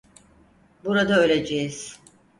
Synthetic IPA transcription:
buɾad̪aøjlʲed͡ʒejiz̥

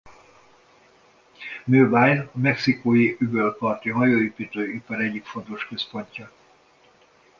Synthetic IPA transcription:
nøːbaːjɒmɛksikoːjiʔybølkɒrt̪iɦɒjoːipit̪øːjipɒɾɛɟːikfo̞nt̪o̞ʃkø̞spo̞ɲcɒ

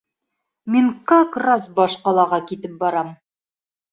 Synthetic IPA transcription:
minkɑkrɑsbɒʃqɒlˠɑʁɑkit̪ɘp̚bɒɾɑm

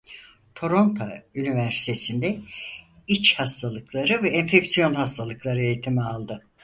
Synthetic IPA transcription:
t̪ʰo̞ɾo̞nt̪ʰo̰ynivæɾsi̥t̪ʰesind̪ɛ | it͡ʃhast̪ʰalˠɯklˠaɾɯvɛːnfecsijo̞nhast̪ʰalˠɯklˠaɾɯejit̪ʰimialˠd̪ɯ

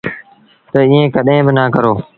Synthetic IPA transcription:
t̪əiːẽːkəɗɦẽːbɪnaːkəɾoː

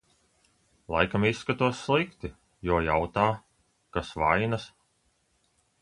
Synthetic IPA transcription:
lˠa̰jkamisːkat̪uɔsːlˠikt̪i | jɔɔjawt̪aː | kasvajnas

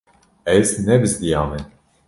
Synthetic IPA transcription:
ɛznɛbɨzd̪ijɑːmɛ

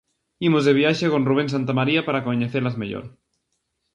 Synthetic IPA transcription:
imozðeβ̞jaʃekonruβ̞ens̬ant̪amaɾiapaɾakoɲeθeɾlazmeʎo̰ɾ

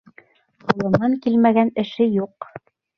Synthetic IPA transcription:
qulˠɤ̆mɑŋkilmæɡænɘ̆ʃɘjuq

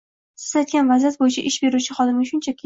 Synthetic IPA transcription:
ɪ̥zat̪̚ɡʲanvazijat̪̚bojɪt͡ʃʰaʔɪʃbe̞ɾut͡ʃʰɪχɒd̪ɪmʲɪʃʊnt͡ʃʰakʲʰi

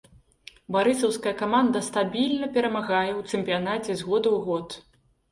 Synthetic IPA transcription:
baɾɨsɐwskɐjɐkamand̪ɐst̪abʲilʲnɐpʲɛɾɐmaɣajɛwt̪sɨmʲpʲijanat͡sʲɛzɣɔd̪ɐwɣɔt̪

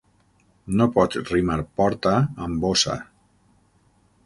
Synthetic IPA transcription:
nopɔt̪rimaɾpɔɾt̪aːmbosa̰

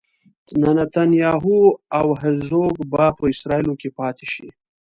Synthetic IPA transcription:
nanat̪anjɑːɦuawɦɪɾzoːɡbapəɪsɾɑːilokepɑːt̪ʰe̥ʃḭ

